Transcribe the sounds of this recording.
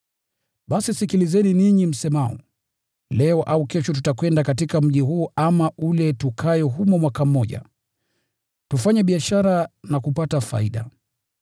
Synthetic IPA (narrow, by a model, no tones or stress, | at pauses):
ɓasisikilizɛniniɲim̩sɛmaɔ̰ | lɛɔʔaukɛʃɔt̬utakwɛndakatikam̩ʄiɦuːamaʔulɛtukʰajɔɦumɔmwakam̩ːɔʄa̰ | tufaɲɛɓiaʃaɾanakupatafa̰iɗa̰